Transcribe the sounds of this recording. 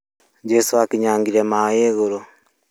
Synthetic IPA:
d͡ʒesowakiɲaːŋɡiɾemajeːɣoɾo

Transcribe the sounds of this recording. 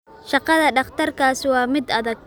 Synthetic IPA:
ʃɑqɑðɐɖɑχt̪ʰɐrkʰaːsɪwɑːmɪd̪ɐðɐɡ̚

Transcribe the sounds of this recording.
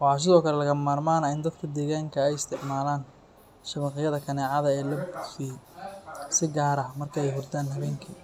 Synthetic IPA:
wɑħɑs̬ɪðɔːkʰɐlɛlɐɣɐmaːrmaːnɐɪnd̪ɐd̪kʰɐd̪ɛːɣaːŋkʰɐɛjɪst̪ʰɪʕmaːlaːn | ʃɐβɑqɪjɐðɐkʰɐnɛːʕɑðɐɛːlɐbki | sɪɡaːɾɐmɐrkʰɐɛjɦʊrd̪ʰaːnɦɐβɛːŋkʰi

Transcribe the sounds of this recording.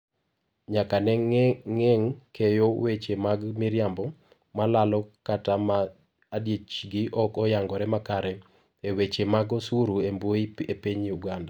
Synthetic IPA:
ɲakanɛɛŋkʰejowet͡ʃemaɡmɪɾjambɔ | malalɔkatamaː | djet͡ʃɡɪʔɔkɔjaŋɡɔɾɛmakaɾɛ | ewet͡ʃemaɡɔsuɾuemboiepiɲuɡanda

